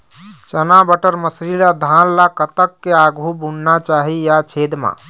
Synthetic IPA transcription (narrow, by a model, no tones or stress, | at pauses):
t͡ʃənabəʈəɾməsɾilad̪ʱallakət̪əkːeaɡʱubunnat͡ʃaɦijat͡ʃʰed̪ma̰